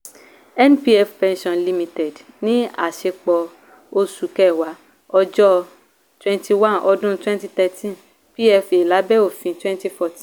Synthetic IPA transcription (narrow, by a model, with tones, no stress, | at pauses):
ɛ˦n˦pi˦ɛ˧fpɛ̃˧nʃɔ̃˧nli˧mĩ˧tɛ˨d | nĩ˦a̰˨ʃe˧k͡pɔ˧ | o˧su˨˦kɛ˦˨wa˨˦ | ɔ˧d͡ʒɔ˦ | twɛ̃˦nti˧wã˦˨nʔɔ˧dũ˦twɛ̃˦nti˧t̪ɛ˧tʰĩ˦n | pi˦ɛ˧fe˨la˨˦bɛ˦o˦˨fĩ˧twɛ̃˦nti˧fɔ˧tĩ˦